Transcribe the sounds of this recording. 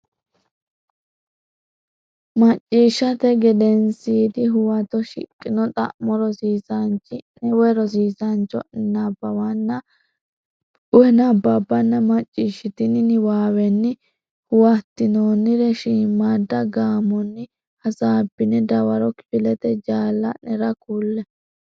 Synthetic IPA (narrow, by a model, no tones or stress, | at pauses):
mɐt͡ʃʼːiːʃːɐt̪ɛɡɛd̪ɛnsiːd̪ɪɦʊwɐt̪ɔʃɪ̰kʼːɪnɔt̪ʼɐ̰ʔmɔɾɔsiːsɐnt͡ʃːɪnɛwɛɾɔs̬iːsɐnt͡ʃːɔ̰ʔɪnːɐbːɐwɐnːɐ | ʊɛnɐbːɐbːɐnːɐmɐt͡ʃʼːiːʃɪt̪ɪnɪnɪwaːwɛnːɪ | hʊwɐt̪ːɪnoːnːɪɾɛʃiːmːad̪ːɐɡaːmɔnːɪ | hɐsaːbːɪnɛd̪ɐwɐɾɔkɪ̥fɪlɛt̪ɛd͡ʒaːlːɐnɛɾɐkuːlːɛ